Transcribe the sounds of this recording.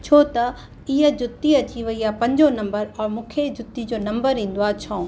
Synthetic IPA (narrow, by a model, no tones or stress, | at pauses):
t͡ɕʰoːt̪ɐ | iɦəd͡ʑʊt̪ːiɐt͡ɕiʋɐijapɐ̃ɲd͡ʑonɐ̃mbəɾɔːɾmʊkʰed͡ʑʊt̪ːid͡ʑoːnɐ̃mbəɾɦĩːn̆d̪oaːt͡ɕʰɔ̃ː